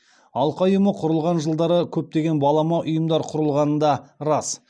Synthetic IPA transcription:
ɑlˠqɑjəməqʰʊɾəlˠʁɑnʒəlˠd̪ɑɾəkʲʰɵp̚t̪e̞ɡʲe̞nbɑlˠɑmɑʔʊjəmd̪ɑɾqʰʊɾəlˠʁɑnənd̪ɑɾɑs

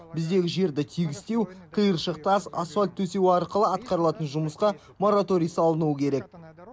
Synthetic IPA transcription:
bɪzd̪e̞ɡʲɪʒe̞ɾd̪ɪt̪ʰijɡʲɪst̪e̞wq̪ʰəjəɾʃəq̚t̪ɑsɑ̰sualʲt̪ʰːɵse̞wɑɾqəlˠəɑt̪qɑɾəlˠɑt̪ənʒʊməsqɑ | mo̞ɾat̪o̞ɾijsɑlˠənuwəkʲʰe̞ɾe̞k̚

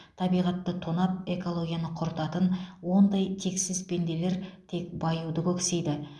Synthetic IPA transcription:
t̪ʰɑbijʁɑt̪ːət̪ʰonɑp̚e̞ko̞lˠo̞ɡʲijanəqʰoɾt̪ɑt̪ənwo̞nd̪ɑjt̪ʰe̞ksɪzbe̞nd̪e̞le̞ɾt̪ʰe̞k̚bɑjuwd̪əkʲʰɵkse̞jd̪ɪ

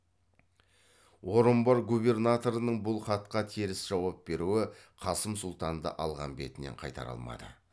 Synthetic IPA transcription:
woɾəmbɑɾɡube̞rnat̪o̞ɾənəɴbʊlˠχɑt̪qɑt̪ʰeɾɪsʒ̥ɑwɑp̚be̞ɾuɪqʰɑsəmsʊlˠt̪ɑnd̪ɑ̰ʔɑlˠʁɑ̰nbe̞̰t̪ɪneɴqʰɑjt̪ɑ̰ɾɑ̰lˠmɑ̰d̪ə̰

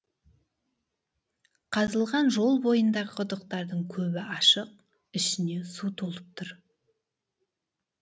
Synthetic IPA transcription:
qʰɑzəlˠʁɑnʒo̞lˠbo̞jənd̪ɑʁəqʰʊd̪əq̚t̪ɑɾd̪əɴkʲʰɵbɪʔɑʃəq̚ | ɪʃɪne̞sut̪ʰolˠəp̚t̪ʰʊɾ

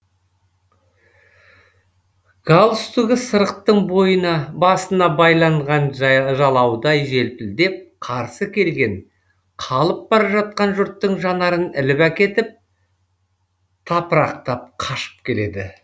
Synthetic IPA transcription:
ɡ̥ɑlˠst̪uɡʲɪsəɾəqt̪ːəɴbo̞jənɑbɑsənɑbɑjlˠɑɴʁɑnʒɑlˠɑwd̪ɑjʒe̞lpɪld̪e̞p̚qʰɑɾsəkʲʰe̞lɡʲe̞ŋ | qʰɑlˠəp̚bɑɾɑʒɑt̪̚qɑnʒʊɾt̪ːəɴʒɑnɑɾənɪlɪpækʲe̞t̪ɪp̚ | t̪ʰɑpəɾɑq̚t̪ɑp̚qʰɑʃə̥p̚kʲʰe̞le̞d̪ɪ

